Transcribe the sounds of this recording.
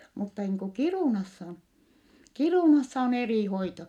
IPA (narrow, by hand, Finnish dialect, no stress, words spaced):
mutːɑ niːŋ ku kiruˑnɑsːɑ kiruˑnɑsːɑ on eriˑ hoito